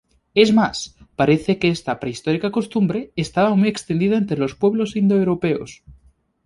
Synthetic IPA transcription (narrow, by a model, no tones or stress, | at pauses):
e̞zmaspaɾe̞θe̞keest̪apɾeist̪o̞ɾikako̞st̪umbɾe̞ːst̪aβamuje̞kst̪e̞nd̪iðaent̪ɾelo̞spwe̞β̞lo̞sind̪oewɾope̞o̰s